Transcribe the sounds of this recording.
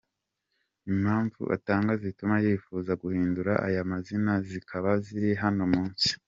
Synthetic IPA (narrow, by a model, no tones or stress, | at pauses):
imhaːɱvṵʔa̰taːŋɡazitumajeːfuzaɡuhiːnduɾaʔa̰jamazinazikʰaβaziɾiɦanomuːnsi̥